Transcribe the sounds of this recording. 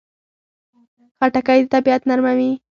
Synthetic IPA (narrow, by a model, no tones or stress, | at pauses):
xaʈakajd̪ət̪abiat̪naɾmawi